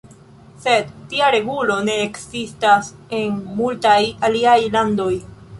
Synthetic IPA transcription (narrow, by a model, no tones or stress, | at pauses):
sedtiaɾe̞ɡulo̞ne̞ːksistase̞nmultajaliajlando̞j